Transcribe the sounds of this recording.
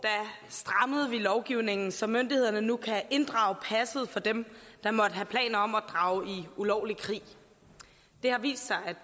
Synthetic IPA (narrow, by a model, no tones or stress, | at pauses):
d̥æsd̥ʁɑ̈məð̞̩ˠʋilɒʊɡ̥iʊne̝ŋn̩sɒ̽mønd̥ihe̝ðˠɐnənukʰæʔe̝nd̥ʁɑ̈ʊpʰæsəð̞̩ˠfɒ̽d̥emd̥ɑ̈mɒ̽d̥əɦæpʰlɛ̰ːnɐɒ̽mæd̥ʁɑ̈ːʊiulɒʊlikʰʁḭː | d̥e̝hɑ̈ʋḭːsd̥sɑ̈ɪæd̥